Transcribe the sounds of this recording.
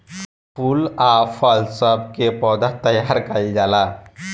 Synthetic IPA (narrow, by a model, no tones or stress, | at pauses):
pulafəlsəb̚kepɔd̪at̪əjaɾkaid͡ʒala